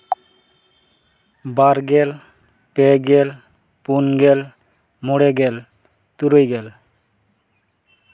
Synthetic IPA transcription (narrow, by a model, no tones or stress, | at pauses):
baɾɡɛl | pɛɡɛl | punɡɛl | muɽɛɡɛl | t̪uɾojɡɛl